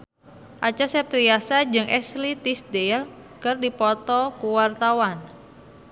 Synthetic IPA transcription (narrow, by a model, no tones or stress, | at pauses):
ʔat͡ʃasɛp̚t̪ɾiasad͡ʒɨŋʔɛslit̪isdel | kɨrdipɔt̪ɔkuwart̪awan